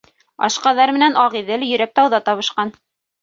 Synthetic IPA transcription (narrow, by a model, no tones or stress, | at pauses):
ɑ̰ʃqɑðɑɾmɘ̆nænɑʁiðɘljɵ̆ɾæk̚t̪ɑwðɑt̪ɑβɤ̆ʃqɑn